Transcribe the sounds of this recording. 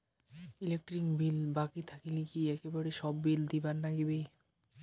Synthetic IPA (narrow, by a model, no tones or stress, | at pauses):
ilek̚ʈɾikbilbakit̪ʰakilikiɛkebaɽeʃɔbːild̪ibaɾnaɡibe